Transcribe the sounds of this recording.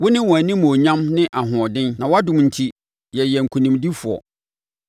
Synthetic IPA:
wʊ˦nɪ̃˦wɔ̃˨æ˨nĩ˦mʊ̃˨o˨ɲã˦mnɪ̃˦ʔa˨ɦʊ̃˨ɔ˨dɪ̃˦nnã˨wa˦dʊ̃˨mn̩˨tʰi˦ | jɛ˨jɛ˨ŋ̩˨kʰu˨nĩ˨mdi˦fʊ˨ɔ̰˨

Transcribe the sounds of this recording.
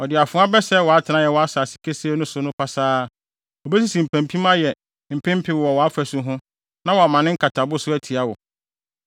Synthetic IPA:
ɔ˨dɪ˨a˨fʊ̃˦a˦bɛ˦sɛ˦wɔ˨a˨˦tʰɪ˨nã˦jɛ˨wɔ˨a˦saː˨si̥˨kʰe˦si˦e˦nʊ̃˦sʊ˨˦nʊ̃˦pʰa˦saː˦ | ɔ˨bɛ˦s̬i˦sĩ˨m̩˨pʰæ̃˨m˨pʰĩ˦mã˦jɛ˨ | m̩˨pʰɪ̃˦m̩˦pʰɪ˦wwɔ˨wɔ˨a˦fæ˨sʊ˦ɦʊ̃˦ | nã˦wɔ˨a˨mã˨nɪ̃˦ŋ̩˦kʰa˨tʰa˨bʊ˦sʊ˦æ˦tʰi˨a˦wɔ˨

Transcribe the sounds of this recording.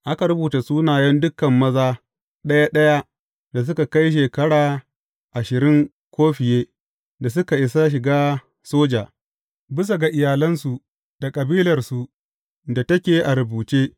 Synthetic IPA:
ʔa˦ka˨ɾʊ˦buː˨ta˨suː˦naː˨jɐ˦ndʊ˦kːɐ˨mːɐ˦zaː˦ | ɗɐ˦ja˦ɗɐ˦ja˦ | da˨s̬ʊ˦ka˨ka˦jʃ̬eː˨kɐ˦ɽaː˨ | ʔa˨ʃɪ˨ɾɪ˦ŋ | kʷoː˦ɸɪ˨jeː˦ | da˨s̬ʊ˦ka˨ʔɪ˨sa˦ʃ̬ɪ˨ɡaː˦ | soː˦d͡ʒaː˨ | bɪ˦s̬a˨ɡa˨ʔɪ˨jaː˨lɐ˦nsu˨ | d̥a˨kʼɐ˨biː˦lɐ˨rsu˨ | da˨tɐ˦kʲeː˨ʔa˨ɾʊ˨buː˨t͡ʃeː˦

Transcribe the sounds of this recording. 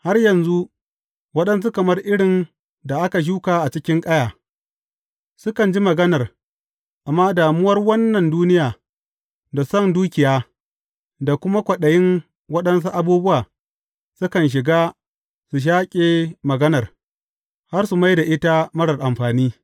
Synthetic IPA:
ha˦rjɐ˨nzu˦ʔ | wɐ˦ɗɐ˦ns̬u˦kɐ˨mɐ˦rʔɪ˦ɽɪ˨n | da˨ʔa˦ka˨ʃ̬uː˦kaː˨ʔa˨t͡ʃɪ˦kʲɪ˦ŋkʼɐ˦jaː˨ | sʊ˦kɐ˨nd͡ʒi˦mɐ˨ɡɐ˦nɐ˨r | ʔa˨mːaː˦daː˨mʊ˦wɐ˦rwɐ˦nːɐ˨nduː˦nɪ˦jaː˨ | da˨sɐ˦˨nduː˦kʲɪ˨jaː˦˨ | da˨kʷʊ˦ma˦kʷɐ˨ɗɐ˨jɪ˦n | wɐ˦ɗɐ˦ns̬u˦ʔa˨buː˦bʊ˦waː˨ | sʊ˦kɐ˨nʃ̬ɪ˨ɡaː˦ | su˨ʃ̬aː˦kʲʼeː˨mɐ˨ɡɐ˦nɐ˨r | ha˦rsu˨ma˦jda˨ʔɪ˦ta˦mɐ˦ɽɐ˨rʔa˨mɸaː˨niː˦

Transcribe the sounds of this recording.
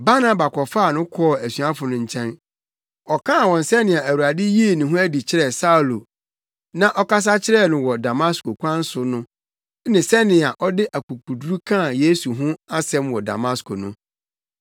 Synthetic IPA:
ba˦na˦ba˨kʰɔ˨fa˦˨nʊ̃˦kʰɔ˦ɔ˨æ˨sɥa˦fʊ˨nʊ̃˨ɲ̩˨t͡ɕʰɛ̃˦n | ɔ˨kʰã˦a˨wɔ̃˨n̩˨sɛ˦nɪ̃˨a˨æ˨wu˨ɾa˨dɪ˦ji˦e˦˨nʊ̃˨ɦʊ̃˦æ˦di˨t͡ɕʰɪ˦ɾɛ˨sa˦u˨lo˨ | nã˨ʔɔ˦ka˦s̬a˦t͡ɕʰɪ˦ɾɛ˦˨nʊ̃˨wɔ˨da˨ma˦sko˨kʷʰã˦n̩˦sʊ˨nʊ̃˦ | nɪ̃˨sɛ˦nɪ̃˨a˨ʔɔ˦dɪ˦ʔa˨ku˨kʰu˨du˦ɾu˦kʰã˦˨je˦su˨ɦʊ̃˦a˦sɛ̃˦mwɔ˨da̰˨ma˦skʰo˨nʊ̃˦

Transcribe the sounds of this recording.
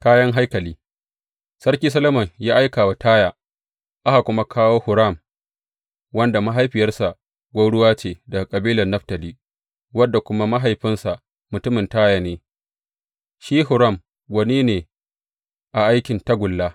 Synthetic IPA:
kaː˦jɐ˦ŋɦa˦jkɐ˨liː˦ | sɐ˦rkʲiː˦sɐ˦lɐ˦mɐ˨ŋjaː˦ʔa˦jkaː˨wa˨taː˦jaː˨ | ʔa˦ha˨kʷʊ˦ma˦kʰaː˦woː˦hʊ˨ɾɐ˦˨m | wɐ˦nda˨ma˦ɦa˦jɸɪ˨jɐ˦rsa˨ʔ | ɡʷɐ˦wɽʊ˦waː˦t͡ʃeː˨da˨kʼɐ˨biː˦lɐ˨nːɐ˦ɸtɐ˨liː˦ | wɐ˦dːa˨kʷʊ˦ma˦ma˦ɦa˨jɸɪ˦nsa˨ʔ | mʊ˨tʊ˦mɪ˨ntaː˦ja˨neː˨ | ʃiː˦ɦʊ˨ɾɐ˦˨m | ɡʷɐ˨niː˦neː˨ | ʔa˨ʔa˦jkʲɪ˨nta˦ɡʷʊ˨lːaː˦

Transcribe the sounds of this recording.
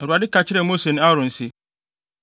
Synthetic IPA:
ɛ˨ɾu˨a˨dɪ˦ka˨t͡ɕʰɪ˦ɾɛ˨mo˦se˨ñ˦a˦ɾɔ̃˨n̩˨sɪ˦

